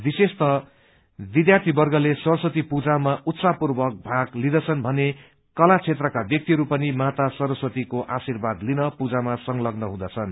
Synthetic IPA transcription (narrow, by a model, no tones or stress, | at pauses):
bisest̪ʌ | bid̪jart̪ʰibʌrɡʌlesʌrsʌt̪ipud͡zamaʔut̪sapurbʌk̚bʱaɡlid̪ʌt͡sʰʌnbʱʌne | kʌlat͡sʰet̪rʌkabjʌk̚t̪iɦʌɾupʌnimat̪asʌɾʌswʌt̪ikoʔasirbad̪linʌpud͡zamasʌŋlʌɡnʌɦũd̪ʌt͡sʰʌn